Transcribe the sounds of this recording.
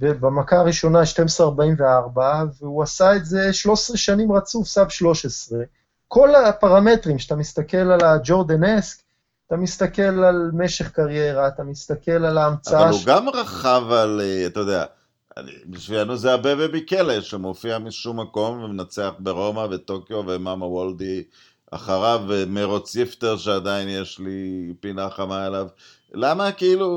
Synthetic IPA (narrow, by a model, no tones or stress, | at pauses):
vebamakaːʁiʃo̞naʃtemesʁeaʁbaimveaʁbaveuasaetze̞ʃlo̞ʃesʁeʃanimʁat͡sufsavʃlo̞ʃesʁe̞ | kʰo̞lapaʁame̞tʁimʃeat̪amist̪ake̞lalad͡ʒo̞ʁd̪anesk | t̪amist̪ake̞lalme̞ʃe̞χkaʁje̞ʁaːtamist̪ake̞lalaːmt͡saauɡamʁaχavalat̪ajod̪ea̰ | biʃvilanuzeabevebikeleʃemofiamiʃumːako̞mvemenat͡seaχbe̞ʁo̞mave̞t̪o̞kjo̞vemamawold̪i | a̰χaʁavemeʁot͡sift̪eʁʃead̪ainjeʃlipinaχamaelav | lamakeilu